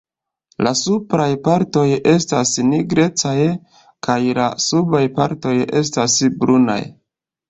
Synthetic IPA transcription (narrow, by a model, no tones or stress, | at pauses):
lasupɾajpaɾto̞je̞stasniɡɾe̞t͡saj | kʰajlasubajpaɾto̞je̞̰s̬tasbɾuna̰j